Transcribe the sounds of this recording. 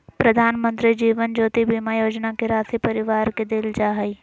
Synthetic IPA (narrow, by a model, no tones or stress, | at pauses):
pɾɐd̪ʱaːnmə̃nt̪ɾid͡ʒiːʋənd͡ʒoːt̪ibʱiːmajoːd͡ʒnakeɾaːsipɐɾɪʋaːɾked̪ɪld͡ʒaːɦɐi